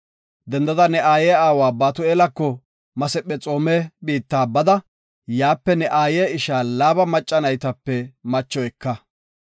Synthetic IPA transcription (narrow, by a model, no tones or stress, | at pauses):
d̪ɛnd̪ɐd̪ɐnɛʔaːjeːaːwaːbaːt̪ʊeːlɐkːɔ | mɐsɛpʼːɛt͡sʼo̞ːmeːbiːt̪ːaːbɐd̪ɐ | jaːpːɛnɛʔaːjeːɪʃaːlaːbɐmɐt͡ʃʼːɐnɐjt̪ɐpːɛmɐt͡ʃːɔɛkːɐ